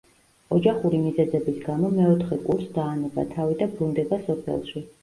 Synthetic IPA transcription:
ɔd͡ʒaχuɾimizɛzɛbisɡamɔmɛɔt̪ʰχɛkʼuɾsd̪aːnɛba̰t̪ʰavid̪abɾund̪ɛbasɔpʰɛ̰lˠʃi

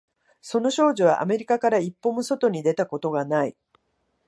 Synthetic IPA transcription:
so̞no̞ɕo̞ːʑoβ̞a̰ʔa̰me̞ɾʲikakaɾaipːo̞moso̞t̪o̞ɲ̟id̪e̞t̪ako̞t̪o̞ɡanai

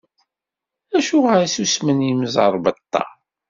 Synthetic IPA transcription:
æʃuʁaɾisusməniməzˤəɾˤbət̪ːɑ̰

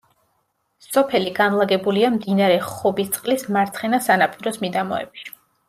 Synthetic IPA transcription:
sɔpʰɛliɡanlˠaɡɛbuliamd̪inaɾɛχɔbist̪sʼqʼlismaɾt̪sʰχɛnasanapʰʼiɾɔsmid̪amɔɛ̰bi̥

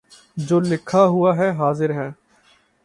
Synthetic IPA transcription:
d͡ʒoːlɪkʰːaɦʊaːɦɛɦaːzɪɾɦɛː

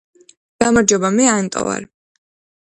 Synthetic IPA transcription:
ɡ̥amaɾd͡ʒɔbamɛant̪ʼɔ̰va̰ɾ

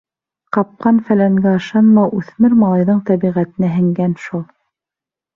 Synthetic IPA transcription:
qɑp̚qɑnfælæŋɡæɤ̆ʃɑnmɑwʉθmɘɾmɑlˠɑjðɤɴt̪æβiʁæt̪ɘ̆nɘɦɘ̆ŋɡænʃulˠ

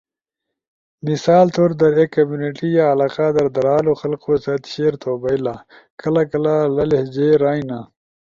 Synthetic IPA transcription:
nisaːlt̪ʰoːɾd̪ɐɾekːɐmjuːniʈijaːlaːqad̪ɐɾd̪ɐɾaːloxɐlqosɐt̪ɕeːɾt̪ʰoːbɐjlaː | kɐlakɐlalɐlehd͡ʑeːɾaːjna

